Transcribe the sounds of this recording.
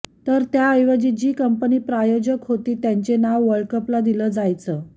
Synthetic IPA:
t̪əɾt̪jaəjʋad͡ʑiːd͡ʑiːkəmpəniːpɾajod͡ʑəkɦot̪iːt̪jaɲt͡ɕenaʋːəɭkəplad̪iləːd͡zajt͡səː

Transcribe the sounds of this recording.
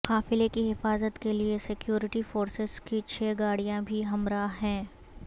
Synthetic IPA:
qaːfɪlekiɦɪfaːzət̪keliesɪkjoːɾɪʈifoːɾsɪz̥kit͡ʃʰeːɡaːɽijãbʱiɦɐmɾaːɦɛ̃ː

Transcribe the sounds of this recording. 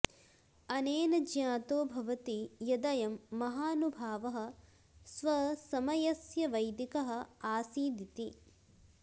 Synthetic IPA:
ɐneːnɐd͡ʒjaːt̪oːbʱɐʋɐt̪ijɐd̪ɐjɐmːɐɦaːnubʱaːʋɐɦɐ̆ | sʋɐsɐmɐjɐsjɐʋɐjd̪ikɐɦɐ̆aːsiːd̪it̪i

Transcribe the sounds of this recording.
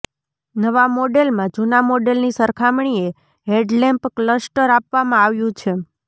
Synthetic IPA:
nəʋamoɖelmãd͡ʒunamoɖelnisəɾkʰamɳ̃ie | ɦeɖlɛmpkləsʈəɾapʋamãaʋjũt͡ʃʰe

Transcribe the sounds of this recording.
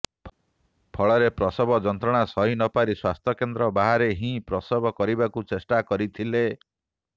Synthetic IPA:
pʰɔɭɔɾepɾɔsɔbɔd͡ʒɔnt̪ɾɔɽ̃asɔɦinɔpaɾiswast̪ʰjɔkend̪ɾɔbaɦaɾeɦĩpɾɔsɔbɔkɔɾibakut͡ʃesʈakɔɾit̪ʰile

